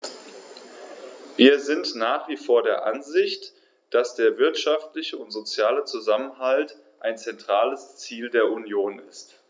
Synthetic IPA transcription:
viːɐzɪntnaːχv̥iːfoːɐdeːɐʔa̰nzɪçt | d̥asd̥eːɐvɪɐtʃaftlɪçəʊntz̥ot͡sjaːlət͡suzamənɦalt | ʔaɪnt͡sɛntʁ̥aːləst͡siːldeːɐʔunjoːnɪst

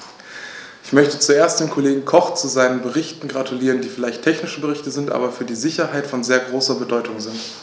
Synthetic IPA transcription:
ɪçmœçtət͡sueːɐstd̥eːnkʰoleːɡŋ̩kʰɔχt͡suzaɪnənbəʁɪçtn̩ɡʁatʰuliːʁ̞əndiːfɪlaɪçtʰːɛçnɪʃəbəʁɪçtəzɪntʔa̰ːbɐfyːɐdiːzɪçɐɦaɪtfɔnzeːɐɡʁoːsɐbədɔʏtʰʊŋzɪnt

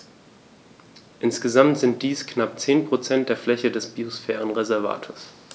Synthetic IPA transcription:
ʔɪnsɡ̥əzamtz̥ɪnt̚d̥iːsknap̚t͡seːnpʁ̥ot͡sɛntd̥eːɐflɛçədɛsb̥iosfɛːʁənʁezɛɐva̰ːtʰoːɐs

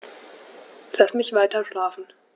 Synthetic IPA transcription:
lasmɪçv̥aɪtɐʃlaːfn̩

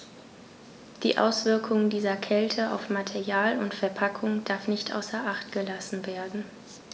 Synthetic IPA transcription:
d̥ḭːʔa̰ʊsv̥ɪɐkʰʊŋdiːzɐkʰɛltʰəʔa̰ʊfmatʰɛʁjaːlʊntfɛɐpʰakʰʊŋd̥aɐfnɪçtʔa̰ʊsɐʔaχtɡ̥əlasn̩veːɐdn̩

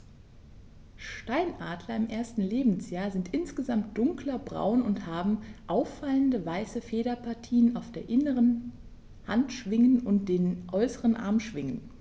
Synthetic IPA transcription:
ʃtaɪnʔaːtʰlɐɪmʔeːɐstn̩leːbm̩sjaːɐzɪntʔɪnsɡ̥əzamt̚d̥ʊŋklɐbʁa̰ʊnʊnthaːbm̩ʔaʊfaləndəvaɪsəfeːɾɐpʰaɐtʰiːənaʊfd̥eːɐʔɪnəʁən | hantʃv̥ɪŋənʊntd̥eːnʔɔʏsəʁənʔa̰ɐmʃv̥ɪŋən

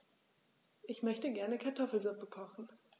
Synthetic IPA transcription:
ʔɪçmœçtəɡɛɐnəkʰaɐtʰɔfl̩zʊpəkʰɔχn̩

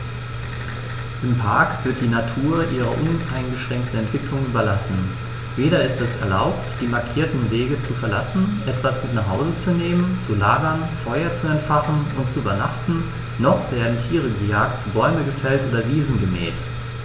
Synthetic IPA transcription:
ʔɪmpʰaɐkv̥ɪɐt̚d̥iːnatʰuːɐʔiːʁɐ̰ʔʊnaɪnɡəʃʁ̥ɛŋk̚tn̩ɛntv̥ɪklʊŋʔyːbɐlasn̩ | veːɾɐɪstɛsɛɐla̰ʊp̚td̥iːmaɐkʰiːɐtn̩veːɡət͡sufɛɐla̰sn̩ʔɛtv̥asmɪtnaχɦhaʊzət͡suneːmənt͡sulaːɡɐnfɔʏɐt͡suɛntfaχn̩ʊntt͡suʔybɐnaχtn̩ | nɔχv̥eːɐdn̩tʰiːʁ̞əɡəjaːktb̥ɔʏməɡəfɛltʔoːdɐviːzn̩ɡəmɛ̰ːt

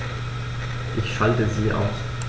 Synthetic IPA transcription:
ʔɪçʃaltəziːʔa̰ʊs

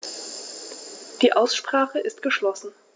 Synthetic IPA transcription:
d̥iːʔaʊsʃpʁ̥aːχəʔɪst̚ɡ̥əʃlɔsn̩

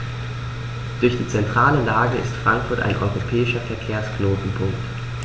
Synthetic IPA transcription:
d̥ʊɐçd̥iːt͡sɛntʁ̥aːləlaːɡəɪ̰stfʁ̥aŋkfʊɐta̰ɪnʔɔ̰ʏʁopʰɛːɪʃɐfɛɐkʰeːɐsknoːtn̩pʰʊŋkt

